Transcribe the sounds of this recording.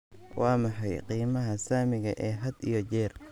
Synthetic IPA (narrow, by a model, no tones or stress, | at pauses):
wʔɑːmɑħɑjqiːmɐɦɐsaːmɪɣɐʔɛːɦɐd̪ḭjɔt͡ʃɛːr